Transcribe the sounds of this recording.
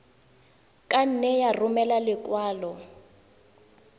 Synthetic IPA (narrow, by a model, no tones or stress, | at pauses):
kʼan̩nɛjarʊmɛlalɪkʼwaːlɔ